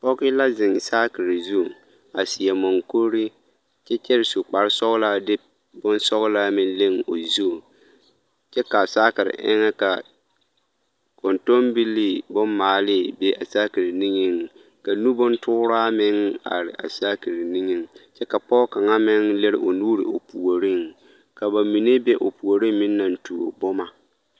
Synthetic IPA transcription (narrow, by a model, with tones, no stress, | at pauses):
pɔ˦kɪ˦la˦zɪ˨ŋ˨saː˦kɪ˨ɾɪ˨zu˦˨ | a˨si˨ɛ˨mɔ˨ŋko˦ɾɪ˦ | t͡ʃɛ˦t͡ʃɛ˦ɾɪ˨su˨k͡pa˨ɾɪ˦sɔ˦ɣʊ˦la˦dɪ˦ | bʊ˦nsɔ˦ɣʊ˦la˦mɪ˦n˦le˦ŋ˨o˨zu˦˨ | t͡ʃɛ˦ka˨saː˦kɪ˨ɾɪ̰˨ʔɪ̰˦ŋa˦ka˨ | ko˨nto˦mbi˦lːi˦bʊ˦mːaː˨lɪ˦bɛ˦ʔa̰˨saː˦ki˨ɾɪ˨ni˦ŋɪ˦ŋ˨ | ka˨nu˦bʊ˦ntʊː˦ɾaː˦mɪ˦ŋa̰˨ɾɪ̰˨ʔa̰˨saː˦ki˨ɾɪ˨ni˦ŋɪ˨ŋt͡ʃɛ˦ka˨pɔ˦ka˨ŋa˦mɪ˦ŋlɪ˦ɾɪ̰˦ʔo˨nuː˦ɾɪ̰˨o˨pu˨o˨ɾɪ˦ŋ | ka˨ba˨mi˨ne˦bɛ˦ʔo˨pu˨o˨ɾi˦mmɪ˦nː˦a˨n̩˦tu˨o̰˨bɔ˦ma˨